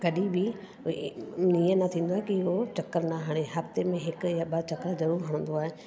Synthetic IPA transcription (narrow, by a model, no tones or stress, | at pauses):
kɐɗibi | nijənɐt̪ʰĩːn̆d̪oaːɦekiɪɦot͡ɕɐkːəɾnaɦaːɽ̃eɦɐft̪emẽɦɪkʊ̆jaɓɐt͡ɕɐkəɾzɐɾuːɾɦɐɽ̃ə̃n̆d̪oaːɦe